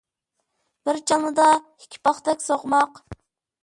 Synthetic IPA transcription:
b̥ɪɾt͡ʃʰɑlˠnɨd̪ɑ | ikʲʰːi̥pɑχt̪ɛkʲsoʁmɑq

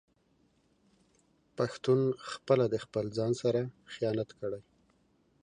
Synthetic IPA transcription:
paxt̪unxpəlad̪əxpəlzɑnsaɾaxijɑnat̪kəɽaj

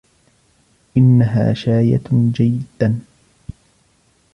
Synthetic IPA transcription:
ʔɪnːaɦa̰ːʃaːja̰d͡ʒajːɪd̪̥ːan

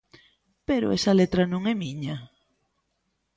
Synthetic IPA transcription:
peɾʊ̰ɛsɐlet̪ɾɐnõŋɛmiɲɐ

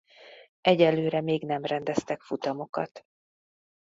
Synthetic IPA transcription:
ɛɟɛlːøːɾɛmeːɡnɛmrɛnd̪ɛst̪ɛkfut̪ɒmo̞kɒ̰t̪

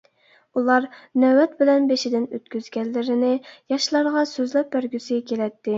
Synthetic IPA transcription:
ulˠɑɾnɛwɛt̪̚bɪlɛnbeʃɪd̪ɪnøt̪kʲyzɡʲɛlːɪɾɪnɪjɑʃlˠɑɾʁɑsøzlɛp̚bæɾɡʲysɪkʲʰelɛt̪ʰːɪ

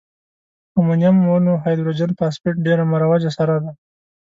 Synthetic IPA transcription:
əmanjamːonoɦɑjd̪ɾod͡ʒanpɑspʊʈ̚ɖeɾamaɾawad͡ʒasaɾɑd̪a

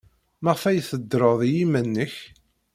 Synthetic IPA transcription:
məʁfæjθəd̪ːɾˤəðˤijimənːəç

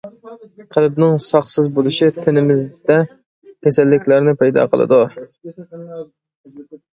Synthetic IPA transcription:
qʰəlˠbnɪŋsɑχsɪzbolˠɨʃɪt̪ʰɪnɪmɪzd̪ɛ | kʲʰɛsɛlːɪkʲlæɾnɪpɛjd̪ɑ̰qʰə̰lˠɨ̰d̪ʊ

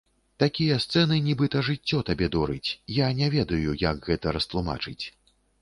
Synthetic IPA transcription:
t̪akʲijɐst̪sɛnɨnʲibɨt̪ɐʐɨt͡sʲːɔt̪abʲɛd̪ɔɾɨt͡sʲjanʲɛvʲɛd̪ɐjujakɣɛt̪ɐɾɐst̪lˠuma̰t͡ʂɨt͡sʲ

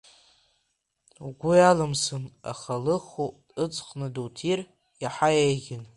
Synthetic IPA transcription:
uɡʷʊjalɨmsɨna̰χalɨχuɨt͡sʼqʼnɨdowtʰir | jaħajejɡʲɪn

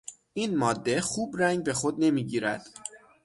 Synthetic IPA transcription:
ʔiːnmɒːd̪ːe̞xuːbɾæŋɟbe̞xo̞d̪̚ne̞miːɟiːɾæ̰d̪̥

